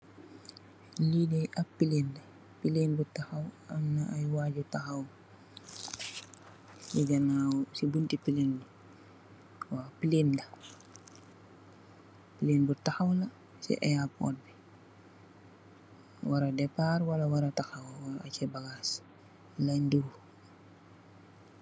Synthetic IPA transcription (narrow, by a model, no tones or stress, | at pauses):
lidɛʔɐppːileːndɐ | pileːnbutaxɐwɐmnaʔɐjwaːɟutaxɐw | jiɡɐnaːwsibuntipileːndi | waːpileːndɐ | pileːnbutaxɐwlɐ | sɛ̰ʔɛjap̚kɔ̰ːt̚bi | waɾɐdɛpaːrwɐlawaɾataxɐwwaacɛbaɡaːs | laɲduɾu